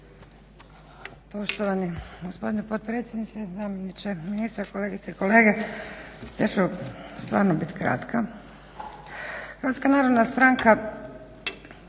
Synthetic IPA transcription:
po̞ʃt̪oʋaniɡospo̞d̪inepodt̪̚pɾet̪sʲjed̪nit͡ʃ̪ezamjenit͡ʃeminiːst̪ɾakole̞ːɡit̪seiko̞le̞ːɡe | t̪et͡ʃust̪ʋaːɾnobit̪kɾa̰t̪kʰa | xɾʋat̪skanaːɾod̪nast̪ɾaːŋka

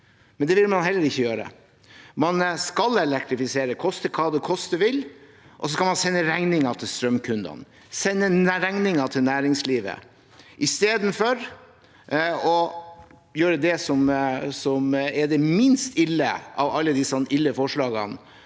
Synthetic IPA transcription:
mɛnd̪ɛʋɪlmɑnɦɛlːəɾɪçːəjøːɾə̰ | mɑnskɑlɛlɛk̚t̪ɾɪfɪseːɾəkʰɔst̪əkʰɑːd̪ɛkʰɔst̪əʋɪl | ʔɔs̬ɔskɑlmɑnsɛnːəɾɛŋnɪŋɑt̪ʰɪlst̪ɾœmkʰʉnd̪ɑ̰n | sɛnːəɾɛŋnɪŋɑt̪ʰɪlnæːɾɪŋsliːʋə̰ | ʔɪst̪eːd̪n̩fɔɾ | ɔ | jøːɾəd̪ɛsɔmsɔmɛd̪ɛmɪnst̪ʰɪlːə̰ʔɑ̰ʋɑlːəd̪ɪsnʔɪlːəfɔʂɭɑːɡɑ̰n

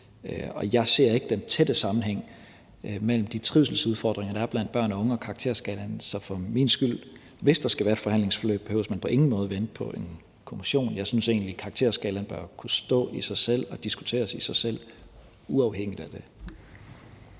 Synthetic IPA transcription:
ɒ̽jɑ̈ɪse̝ɐ̰e̝ɡ̥əd̥ent͡sʰed̥əsɑ̈mn̩ɦeŋ̰ | mel̰m̩d̥it͡sʰʁiʊsl̩suðˠfɒ̰ːd̥ʁeŋɐd̥ɑ̈æɐb̥læn̰d̥b̥ɶɐ̰nɒɔ̽ŋəɒ̽kʰɑ̈ɡ̥t͡sʰe̝ɐ̰sɡ̥ɛlænsɒfɒ̽minsɡ̥yl̰ | ʋe̝sd̥ɑ̈sɡ̥æʋæːɐed̥fɒ̽hænle̝ŋsfɒlø̰ːb̥ːehø̰ʊsmænpʰɒ̽ʔe̝ŋn̩mɔ̽ːð̞ˠʋend̥̚pʰɒ̽ʔe̝n | kʰo̝miɕo̝̰ːnjɑ̈ɪsynse̝̰ːnlikʰɑ̈ɡ̥̚t͡sʰe̝ɐsɡ̥ɛlænb̥ɶɐkʰusd̥ɔ̰̽ːisɑ̈ɪsel̰ɒ̽d̥isɡ̥u̥t͡sʰe̝̰ːɐsisɑ̈ɪsel̰ | uɑ̈ʊheŋ̰id̥æd̥e̝

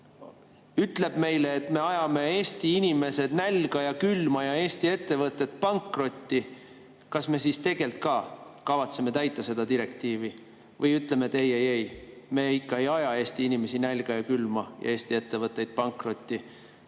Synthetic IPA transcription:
yt̪ˑle̞b̥me̞jle̞ːt̪me̞ɑjɑme̞e̞ːst̪iinime̞se̞d̪nælʲɡ̥ɑjɑkylmɑjɑe̞ːst̪ie̞t̪ːe̞vɤt̪ːˑe̞t̪̚ːpɑŋkro̞t̪ʲːi | kɑsme̞sist̪e̞ɡ̥e̞lt̪̚kɑːkɑvɑt̪seme̞t̪æjt̪ːˑɑse̞d̪̥ɑd̪iɾe̞kt̪iːvi | vɤjyt̪ˑle̞met̪ːejejejme̞ikːɑe̞jɑjɑe̞ːst̪iinime̞sinælɡ̥ɑjɑkylmɑjɑ̰e̞ːsʲt̪ie̞t̪ːe̞vɤt̪ˑːe̞jd̪̥̚pɑŋkro̞t̪ʲːˑi

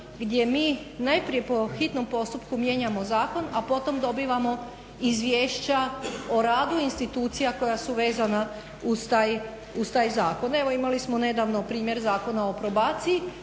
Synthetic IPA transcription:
ɡd̪ʲje̞miː | najpɾije̞po̞xit̪no̞mpo̞st̪upkumje̞ɲamo̞zaːko̞napo̞t̪o̞md̪o̞biːʋamo̞ | izʋjeːʃt͡ɕaoɾaːd̪uinst̪it̪uːt̪sijako̞jasuʋe̞ːzana | uzt̪aːj | ust̪aːjzaːko̞ne̞ʋo̞imalismone̞d̪aʋno̞pɾiːmje̞ɾzaːko̞naopɾo̞baːt̪siji

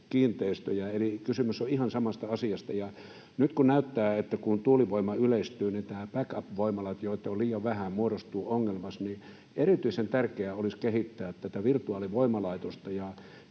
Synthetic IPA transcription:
kiːnt̪eist̪øjæelikysymysːoihɑnsɑmɑst̪ɑɑsiɑst̪ɑjɑ | nyt̪kunnæyt̪ːæːet̪ːækunt̪uːliʋoimɑyleist̪yːnit̪æːpækɑpʋoimɑlɑt̪joit̪ːeoliːjɑʋʋæhæmmuoɾost̪uːoŋːelmɑsni | erit̪yisent̪ærkeæoliskehit̪ːæːt̪t̪æt̪æʋirt̪uɑːliʋoimɑlɑit̪ost̪ɑjɑ

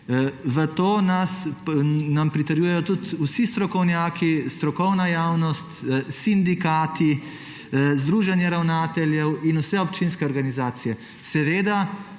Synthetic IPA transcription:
ʋət̪oːnas | nampɾit̪əɾjuːjɛjɔt̪ut̪usist̪ɾɔkɔwnjaːkist̪ɾɔkɔwnajaːwnɔst̪sind̪ikaːt̪i | zd̪ɾuːʒanjɛɾawnaːt̪ɛljɛwinusɛɔpt͡ʃinskɛɔɾɡanizaːt̪sijɛ | sɛʋeːd̪a

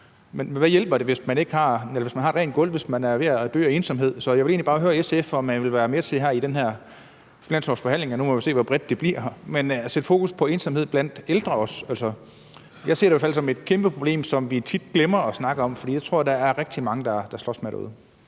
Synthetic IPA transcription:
menʋæjelb̥ɐd̥e̝ʋe̝smæne̝ɡ̥hɑ̈elɐʋe̝smænhɑ̈ed̥ʁɛ̰ːnɡ̥ɔ̽l̰ʋe̝smænæɐʋe̝æd̥ø̰ːɐe̝ːnsɒ̽mɦe̝ð̞̰ˠsɒ̽jɑe̝le̝̰ːnli̥ɑ̈ːɦøːɐeseefɒmænʋe̝lʋæːɐmet͡sʰe̝ɦæɐid̥enɦæɐ̰ | finænsɒsfɒ̽ɦænle̝ŋɒnumɒʋise̝̰ːʋɒb̥ʁɛd̥̚ːe̝b̥liɐ̰mensed̥fo̝ːkuspʰɒ̽e̝ːnsɑmhe̝ð̰ˠb̥læn̰d̥eld̥ʁɐɒ̽sælsɐ | jɑ̈ɪse̝ɐɾeijæːfæl̰sɒ̽me̝d̥̚kʰemb̥əpʰʁob̥le̝̰ːmsɒ̽mʋit͡sʰid̥̚ɡ̥lemɐɒsnɑ̈ɡ̥əɒ̽mfɒdḭjɑt͡sʰʁoɐɐd̥ɑæɐʁɛɡ̥̚d̥imɑ̈ŋəd̥ɑ̈d̥ɑ̈slɒ̰smedæɐuð̩ˠ

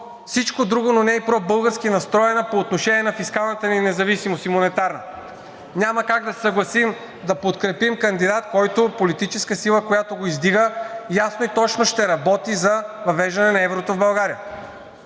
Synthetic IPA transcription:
fsit͡ʃkod̪ɾuɡononɛipɾɔbɤlˠɡəɾskinɐst̪ɾɔɛnəpoːt̪noʃɛniɛnɐfiskalˠnɐt̪əninɛzɐvisimosimonɛt̪aɾnɐ | ɲʲaməkaɡd̪ɐsɛ̥sɐɡlˠɐsim | d̪ɐpot̪kɾɛpimkɐnd̪id̪at̪kɔjt̪opolit̪it͡ʃɛskəsilˠəkojat̪oɡoizd̪iɡəjasnoit̪ɔt͡ʃnoʃt̪ɛɾɐbɔt̪izɐvɐvɛʒd̪ɐnɛnɐɛvɾot̪ovbɐlˠɡaɾijə

